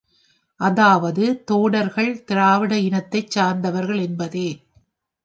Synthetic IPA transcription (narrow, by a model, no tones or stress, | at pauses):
ʔɐðaːʋɐðɯt̪oːɽɐɾɣɐɭt̪ɪɾaːʋɪɽɐɪnɐt̪ːɐɪt͡ʃːaːɾnd̪ɐʋɐɾɣɐɭɛnbɐðeː